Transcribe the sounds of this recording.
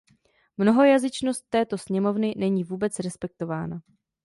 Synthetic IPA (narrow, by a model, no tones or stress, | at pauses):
mno̞ɦo̞jazɪt͡ʃno̞st̪ːɛːt̪o̞sɲɛmo̞vnɪnɛɲiːvuːbɛt͡sɾɛspɛk̚t̪o̞vaːna